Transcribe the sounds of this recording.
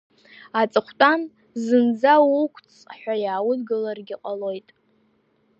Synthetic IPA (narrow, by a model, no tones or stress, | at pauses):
at͡sʼɨχʷʰtʼan | zɨnd͡zawukʷʰt͡sʰʼħʷᶣajaːwʊdɡɨlarɡʲɪqʼalo̞jtʼ